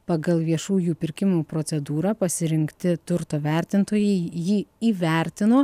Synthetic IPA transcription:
pɑɡɐlˠʋʲiɛʃuːjuːpʲɪɾʲkʲɪmuːpɾoːt̪sʲɛd̪uːɾɑːpɐsʲɪɾʲɪŋkt̪ʲɪt̪ʊɾt̪oːʋʲɛˑɾʲt̪ʲɪnt̪oːjɛɪjiːiːʋʲɛˑɾʲt̪ʲɪnoː

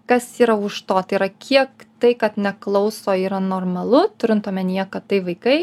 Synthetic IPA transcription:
kɐsiːɾɐʊʃt̪oːt̪ɐɪɾɐkʲʰiɛkt̪ɐɪkɐt̪nʲɛklˠɐʊsoːiːɾɐnoːɾmɐlˠʊt̪ʊɾʲɪnt̪oɔmʲɛnʲiːjɛkɐt̪t̪ɐɪʋɐɪkɐɪ

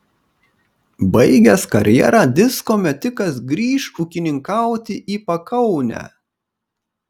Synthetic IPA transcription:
bɐɪɡʲɛskɐɾʲjɛ̰ɾɑːd̪ʲɪskoːmʲɛt̪ʲɪkɐs̬ɡɾʲiːʃuːkʲɪnʲɪŋkɑˑʊt̪ʲɪʔiːpɐkʰɐʊnʲæ̰

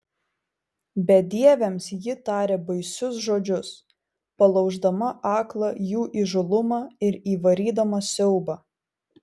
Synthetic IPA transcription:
bʲɛd̪ʲiɛʋʲɛmsjɪt̪ɑːɾʲeːbɐɪsʲʊs̬ʒoːd͡ʒʲʊs | pɐlˠɐʊʒd̪ɐmɐʔɑːklˠɐjuːʔiʒʊlˠʊmɑːɪɾiːʋɐɾʲiːd̪ɐmɐsʲɛʊbɑ

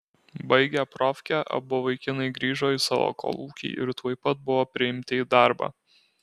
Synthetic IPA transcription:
bɐɪɡʲɛpɾɔfʲkʲæʔɐ̰bʊʋɐɪkʲɪnɐɪɡɾʲiːʒoːisɑʋo̰ːkʰo̰lˠuːkʲḭːʔɪ̰ɾt̪uɔːɪpɐt̪̚bʊʋoːpʲɾʲɪɪmʲt̪ʲɪiːd̪ɑˑɾbɑ̰

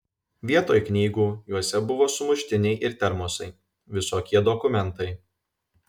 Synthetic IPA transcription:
ʋʲiɛt̪oːjknʲiːɡuːjuɔsʲɛbʊʋoːsʊmʊʃʲt̪ʲɪnʲɛɪʔɪɾt̪ʲɛɾmɔsɐɪ | ʋʲɪsoːkʲiɛd̪ɔkʊmʲɛnt̪ɐɪ

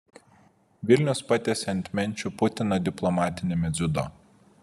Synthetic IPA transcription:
ʋʲɪlʲnʲʊspɑt̪ʲesʲɐnʲt̪ʲmʲɛnʲˑt͡ʃʲupʊt̪ʲɪnɐd̪ʲɪplˠɔmɑːt̪ʲɪnʲemʲɛzʲʊd̪o̰ː

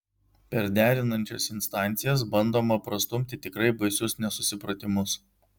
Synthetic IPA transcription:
pʲɛɾd̪ʲæːɾʲɪnɐnʲt͡ʃʲo̰sɪnst̪ɑˑnʲˑt̪sʲɪjɛs̬bɐnd̪oːmɐpɾɐst̪ʊmʲt̪ʲɪt̪ʲɪkɾɐɪbɐɪsʲʊsnʲɛsʊsʲɪpɾɐt̪ʲɪmʊs

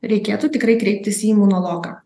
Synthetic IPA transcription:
ɾʲɛɪkʲeːt̪uːt̪ʲɪkɾɐɪkɾʲɛɪp̚ʲt̪ʲɪsiimʊnɔlˠoːɡaː

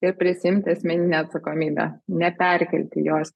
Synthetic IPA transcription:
ɪɾpʲɾʲɪsʲɪɪmʲt̪ʲɪɐsʲmʲɛnʲɪnʲɛːɐt̪sɐkoːmʲiːbʲæ̰ːnʲɛpʲɛɾʲkʲɛlʲt̪ʲɪ̰joːs

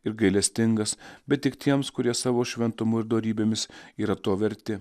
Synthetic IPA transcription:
ɪɾɡɐɪlʲɛsʲt̪ʲɪŋɡɐsbʲɛt̪̚t̪ʲɪkt̪ʲiɛmskʊɾʲiɛsɑːʋoːʃʲʋʲɛnt̪ʊmʊɪɾd̪oːɾʲiːbʲeːmʲɪsiːɾɐt̪oɔʋʲɛɾʲt̪ʲɪ

